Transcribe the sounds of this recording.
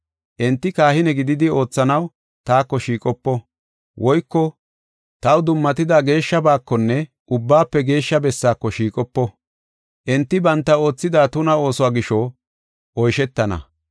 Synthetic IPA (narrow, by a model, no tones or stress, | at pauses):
ʔɛnt̪ːɪkaːhɪnɛɡɪd̪ɪd̪ɪo̞ːt͡sːɐnɐw | t̪aːkːɔʃiːkʼɔpːɔ | wʔɔjkːɔ | t̪ɐwd̪ʊmːɐt̪ɪd̪aːɡe̞ːʃːɐbaːkːɔnːɛ | ʔʊbːaːpːɛɡe̞ːʃːɐbɛsːaːkːɔʃiːkʼɔpːɔ | ʔɛnt̪ːɪbɐnt̪ːɐo̞ːt͡sːɪd̪aːt̪ʊnɐo̞ːsɔaːɡɪʃɔ | ʔɔjʃɛt̪ːɐnɐ̰